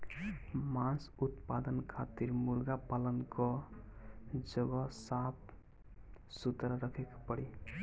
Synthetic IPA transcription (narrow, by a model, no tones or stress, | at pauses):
mãnsut̪pad̪ənkʰat̪iɾmulɡapalənkɔ | d͡ʒʌɡɔsap̚ | sut̪ɾaɾʌkʰekpʌɽi